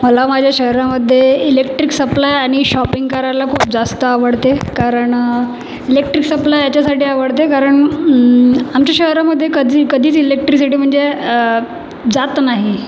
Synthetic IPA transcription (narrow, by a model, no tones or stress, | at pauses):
məlamad͡ʑʱjaɕəɦɾaməd̪ʱːjeilekʈɾiksəplajaɽ̃iɕɔpiŋɡkaɾalakʰuːp̚d͡zast̪əaʋəɽt̪ekaɾəɳ | ilek̚ʈɾiksəplajat͡ɕasaʈiːaʋəɽt̪ekaɾəɳ | amt͡ɕjaɕəɦɾaməd̪ʱːjekəd̪ʱiːkəd̪ʱiːt͡silek̚ʈɾis̬iʈiːm̤əɳd͡ze | d͡zat̪naɦi